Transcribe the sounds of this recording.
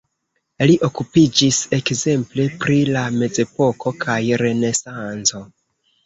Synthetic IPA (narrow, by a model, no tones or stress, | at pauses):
liʔo̞kupid͡ʒise̞kze̞mple̞pɾilame̞d͡ze̞po̞ko̞kʰajɾe̞ne̞sant͡so̞